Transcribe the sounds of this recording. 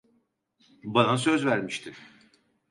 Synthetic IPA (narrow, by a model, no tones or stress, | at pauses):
banas̬ø̞zvæɾmiʃt̪ʰɪ